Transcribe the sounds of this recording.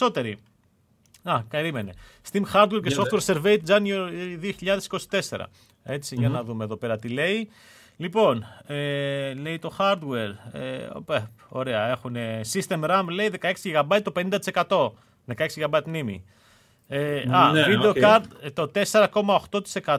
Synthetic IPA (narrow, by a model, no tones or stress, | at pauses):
o̞t̪e̞ɾi | ɐpeɾime̞ne̞st̪imxɐɾd̪we̞ɾcesoft̪weɾse̞ɾve̞it̪̚d͡zɐnioðioçiʎɐðesi̥ko̞si̥t̪e̞se̞̰ɾɐ̰ | e̞t͡siʝɐnɐðumeːðo̞pe̞ɾɐt̪ile̞i | lipo̞nele̞it̪o̞xɐɾd̪we̞ɾḛo̰bepo̞ɾe̞ɐe̞xune̞sist̪e̞mɾɐmle̞iðe̞kɐe̞ksiɣɐbɐit̪ope̞nind̪ɐt̪ise̞kɐt̪o̞ | ðe̞kɐeksiɣɐbɐit̪nimḭ | eɐvieokɐɾd̪t̪ot̪e̞se̞ɾɐko̞mɐo̞xt̪o̞t̪i̥se̞kɐ